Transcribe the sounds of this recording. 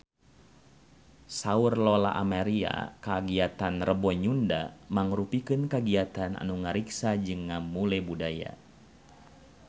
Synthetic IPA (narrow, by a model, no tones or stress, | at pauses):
saurlɔla̰ʔamaɾia̰kaɡiat̪anrəbɔɲunda̰maŋɾupikɨnkaɡiat̪ana̰nuŋaɾiksad͡ʒɨŋːamulɛbudaja̰